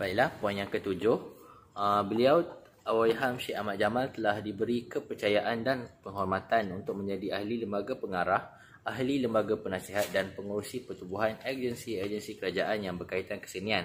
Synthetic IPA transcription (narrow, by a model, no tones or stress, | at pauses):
b̥aiʔlahpuanjaŋkət̪ud͡ʒʊhəbəliaw | awaiɦamʃeamat̪̚d͡ʒamalt̪əlahdibəɾikəpərt͡ʃajaʔandanpəŋɦɔrmat̪anunt̪ʊk̚mə̃ɲd͡ʒadiahliləmbaɡapəŋaɾah | aɦliləmbaɡapənasiɦat̪̚danpəŋuɾusipərt̪ubuɦanərd͡ʒənsiəd͡ʒənsikəɾad͡ʒaʔanjaŋbərkait̪ankə̥sənian